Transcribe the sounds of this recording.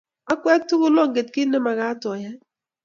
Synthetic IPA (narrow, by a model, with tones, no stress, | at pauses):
a˦kwɛ˦k̚tu˦kʊ˦lɔ˦˨ŋɡe˨t̚kɪ˦nɛ˦ma˨ka˦tɔ˨ja˦